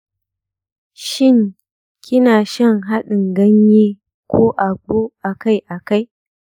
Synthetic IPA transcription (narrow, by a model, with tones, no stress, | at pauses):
ʃɪ˦˨ŋ | kʲɪ˦naː˨ʃɐ˦˨ŋɦa˦ɗɪ˨ŋɡɐ˦ɲjiː˦ | kʷoː˦ʔa˨ɡ͡boː˦ʔa˨ka˦˨jʔa˨ka˦j